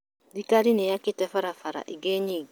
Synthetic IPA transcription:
dikaɾinejakɪtɛfaɾafaɾa̰ʔiɡeɲiːɡ

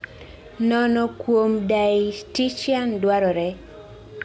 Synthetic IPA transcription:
nɔnɔkwomdajitit͡ʃandwaɾɔɾɛ

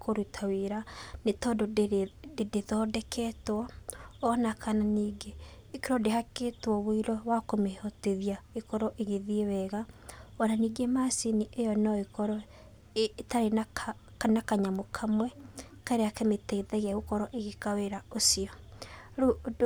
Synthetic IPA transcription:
kʰoɾutʰaweɾanetɔdoddedeðɔːdɛkʰɛtwɔː | nakʰananiːɡeː | keɾɔdehakeːtwɔβoiɾɔwakomehɔteðiaekɔɾɔʔeɣeðiewɛɣaɔnaniːɡemasiniʔejɔnɔekɔɾɔ | taɾena | anakaɲamokʰamwɛkaɾeakemetɛiðɛɣeɣokɔɾɔʔeɣekaweɾaosiɔ

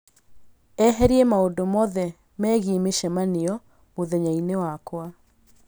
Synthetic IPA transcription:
ɛɦɛɾiemaodomɔðɛ | mɛːɣimeʃɛmaneɔ | moðɛɲainewakwa

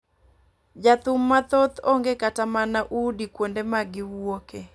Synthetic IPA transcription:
d͡ʒat̪ʊmːat̪ot̪oŋɡekatamanaʔudikwondemaɡɪwoke

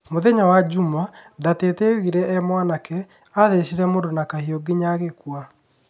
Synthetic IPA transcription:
moðɛɲawad͡ʑumadateteɣiɾɛʔɛmwanakɛ | aðeɕiɾɛmondonakahioɡiɲaɣekwa

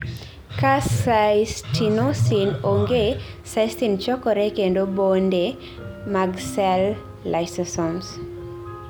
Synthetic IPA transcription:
kassastinosinoŋɡe | sajstint͡ʃɔkɔɾɛkendobonde | maɡsɛlː | ajsɛsɔns

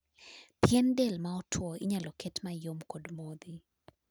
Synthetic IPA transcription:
pjɛndɛlmaɔtʰwɔiɲalɔkɛtmajomkɔdmod̪i

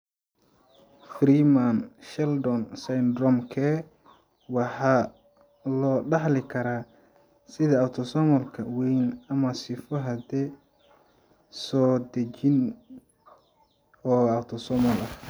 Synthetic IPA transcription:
fɾiːmanʃɛld̪ɔnsɐjnd̪rɔmkʰɛ | wɑħɑː | lɔːɖɑħlɪkʰɐɾaː | sɪðɐːwt̪ʰɔsɔmɔlkʰɐwɛjnɐmɐsɪfɔɦɐd̪ɛ | sɔːd̪ɐt͡ʃɪn | ɔːawt̪ʰɔsɔmɔlɐ

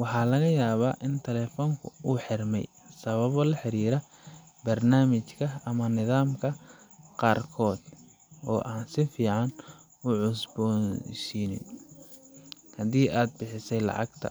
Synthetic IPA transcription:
wɑħɑːlɐɣɐjaːβaːʔɪnt̪ʰɛlɛːfɔːŋkʰʊuːħɪrmɛ̰j | sɐβɐβɔlɐħɪɾiːɾɐ | bɐrnaːmɪt͡ʃkʰɐɐmɐnɪðaːmkʰɐqɑːrkʰɔːd̪ | ɔ̰ːʔaːnsɪfiːʕɑn | ʊʕʊsbɔʃiːnɪ̰n | hɐðiːʔaːd̪̚bɪħɪsɛjlɑ̰ʕɑ̰ɡt̪ʰɐ̰

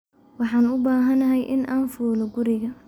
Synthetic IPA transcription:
wɑħɑːnʊbaːɦɐnɐɦɛjʔɪnʔaːnfuːlɔɡʊɾɪɣɐ

